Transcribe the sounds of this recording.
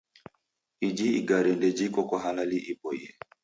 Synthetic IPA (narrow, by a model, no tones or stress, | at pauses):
id͡ʒiiɡaɾɛndɛd͡ʒikɔkwaɦalaliʔibɔjɛ